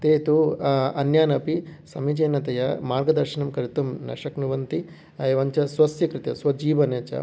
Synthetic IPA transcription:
t̪eːt̪uɐnjaːnɐpisɐmid͡ʒeːnɐt̪ɐjɐmaːɾɡɐd̪ɐɾʃɐnɐmkɐɾit̪umnɐ̰ʃɐknuʋɐnt̪i | ɐjʋɐɲt͡ʃɐsʋɐsjɐkɾɪt̪jɐ̰sʋɐd͡ʒiːʋɐneːt͡ʃɐ̰

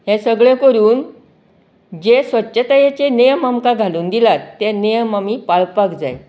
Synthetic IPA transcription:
ɦẽsəɡɭẽkəɾuːn | d͡ʑesʋətːɕət̪ajat͡ɕenejəmamkaɡʱaluːnd̪ilat̪ːenejəmamiːpaɭpakd͡za̰j

